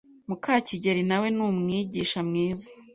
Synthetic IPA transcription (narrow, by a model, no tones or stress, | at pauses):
mukʰaːciɟe̞ɾinawe̞nuːmŋiːɟiːʃamŋiːza